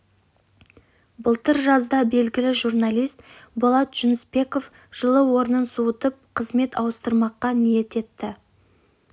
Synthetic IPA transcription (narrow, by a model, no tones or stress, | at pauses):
bʊlˠt̪əɾʒɑzd̪ɑbe̞lɡʲɪlɪʒurnalijst̪bolˠɑt̪ʒ̥ʏnɪspe̞ko̞f | ʒ̥əlˠəwo̞ɾənənsuwət̪əp̚qʰəzme̞t̪ɑwəst̪əɾmɑqːɑnije̞t̪e̞t̪ːɪ